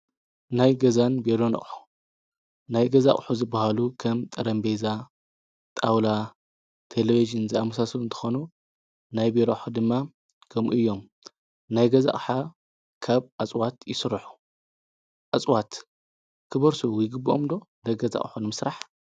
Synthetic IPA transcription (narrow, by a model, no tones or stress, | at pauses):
najɡɐzanbeɾonɐ̰χʼħu̥ | najɡɐza̰χʼħuzɨbːahalukʰɐmt̪ʼɐɾɐmbeza | t̪ʼawla | t̪ʰeleβiʒɨnziamːɐsaslɨnt̪ʰɨ̥xonu | najbeɾoħud̪ɨmːa | kʰɐmuʔɨjːo̞m | najɡɐza̰χʼħa | kʰaβʔat͡sʼwat̪jɪsɨɾħu̥ | ʔat͡sʼwat̪ | kʰɨβɐɾsujɪɡɨbːuʔo̰md̪o̞nɐɡɐza̰χʼħunɨmɨsɾaħ